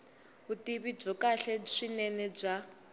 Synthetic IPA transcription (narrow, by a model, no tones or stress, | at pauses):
ɦutiβib͡ʐɔkaɬɛʂinɛnɛb͡ʐa